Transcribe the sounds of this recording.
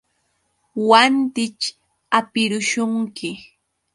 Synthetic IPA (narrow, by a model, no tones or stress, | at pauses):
want̪ɪt͡ʃ | apɪɾʊʃʊŋkɪ